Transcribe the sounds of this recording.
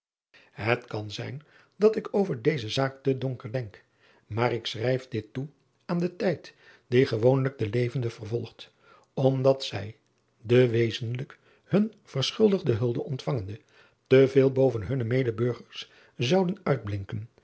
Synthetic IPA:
ɦətkɑnzɛ̰jn | dɑtɪkowvəɹdejzəzaːk̚tədɔŋkəɹdɛŋk | maːrɪksrɛjfdɪtːu | aːndətɛjt | d̥iχəʋownləɡ̚dəlejvəndəvərvɔlˠχt | ɔmdɑtsɛj | dəʋejzənlək | hɵn | v̥ərsχʏlˠdəʁdəɦɵlˠdəʔɔntfɑŋəndə | təveːlˠbowvənɦɵnəmejdəbɵɹχəɹs | zɑwdənœɥd̚blɪŋkən

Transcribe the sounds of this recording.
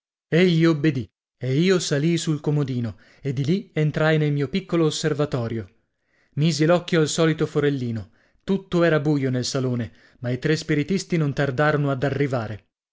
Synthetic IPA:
eʎːiobːed̪i | eiːosalisulkomod̪iːno | ed̪ːilient̪ɾajnelmiːopikːoloːsːervat̪ɔːɾjo | miːzilɔkːjoalsɔːlit̪ofoɾelːiːno | t̪ut̪ːoɛːɾabuːjonelsaloːne | mait̪ɾespiɾit̪ist̪inont̪ard̪aːɾonoad̪arːivaːɾe

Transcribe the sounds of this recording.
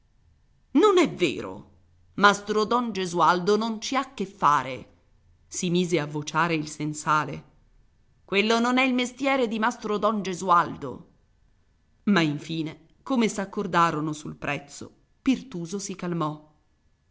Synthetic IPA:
nonɛvːḛːɾo̰ | mast̪ɾod̪ɔnd͡ʒezuald̪onont͡ʃiakːefːaːɾḛ | simiːzeavːot͡ʃaːɾeilsensaːlḛ | kwelːononɛilmest̪jɛːɾed̪imast̪ɾod̪ɔnd͡ʒezuald̪o̰ | maiɱfiːne | komesakːord̪aːɾonosulpɾʔɛt̪sːo̰ | pirt̪uːzosikalmɔ

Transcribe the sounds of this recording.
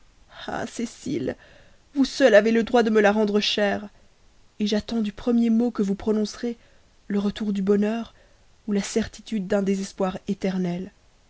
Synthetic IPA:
a̰sesḭl | vusœlaveləd̪ʁwad̪əməlaʁɑ̃d̪ʁəʃɛʁ | eʒat̪ɑ̃d̪ypχəmjemokəvupχɔnɔ̃sʁe | ləʁət̪uʁd̪ybɔnœʁ | ulasɛʁt̪i̥t̪yd̪̚ːɛ̃d̪ezɛspwaʁet̪ɛʁnɛl

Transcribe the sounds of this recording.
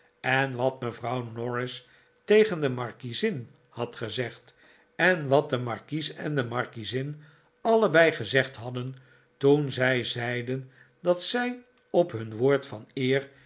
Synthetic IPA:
ɛnʋɑt̚məvrɑwnɔɹɪs | tejχəndəmɑɹkizɪn | hɑtχəzɛχt | ɛnʋɑt̚dəmɑɹkisɛ̰ndəmɑɹkizɪn | ɑləbɛjχəzɛχtɦɑdən | tunzɛjzɛjdən | dɑtsɛj | ɔpɦɵnʋoːɹtfɑnɪːɹ

